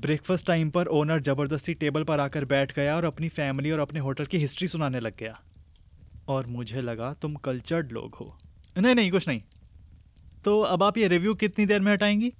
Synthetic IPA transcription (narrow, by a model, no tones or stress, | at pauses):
bɾeːkfəsʈːaːɪmpɐɾʔoːnəɾd͡ʒɐbəɾd̪əst̪iʈeːbəlpɐɾaːkəɾbɛːʈʰɡɐjaɔːɾɐpnifɛːmɪliɔːɾɐpneɦoːʈəlkiɦɪsʈɾisʊnaːnelɐɡ̚ːɐjaː | ɔːɾmʊd͡ʒʱelɐɡat̪ʊmkɐlt͡ʃəɾɖlo̰ːɡɦo̰ː | nɐɦĩnɐɦĩkʊt͡ʃʰnɐɦĩ | t̪oːɐbaːpjeɾɪʋjuːkɪt̪nid̪eːɾmẽɦɐʈaːẽːŋɡiː